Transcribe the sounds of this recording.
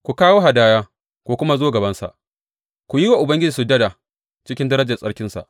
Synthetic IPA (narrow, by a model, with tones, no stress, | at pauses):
kʷu˨kaː˦woː˦ɦa˨daː˦jaː˦ | kʷoː˦kʷʊ˦ma˦zoː˦ɡɐ˨bɐ˦nsa̰˨ʔ | kʷu˨ji˦wa˨ʔʊ˨bɐ˦ŋɡʲɪ˦d͡ʒiː˨su˨dɐ˦da˨ | t͡ʃɪ˦kʲɪ˦ndɐ˦ɾɐ˦d͡ʒɐ˨sʼɐ˦ɽkʲɪ˦nsa̰˨ʔ